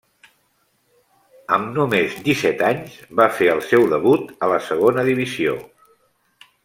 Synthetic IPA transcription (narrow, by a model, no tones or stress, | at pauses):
ə̰mnomezd̪isɛt̪aɲzβafeəlˠsɛwðəβut̪ələsəɣonəðiβ̞izio̰